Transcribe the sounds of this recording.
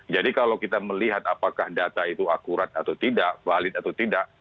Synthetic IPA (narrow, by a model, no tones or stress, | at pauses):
d͡ʒadikalawkit̪aməliɦat̪apakahdat̪ait̪uakuɾat̪̚at̪awt̪idaʔvalɪt̪̚at̪awt̪idaʔ